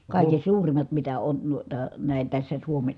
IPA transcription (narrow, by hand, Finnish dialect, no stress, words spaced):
kɑˑiken̞ suːrimˑɑt mitæ on nuitɑ næˑi̯n̞ tæsːæ suomen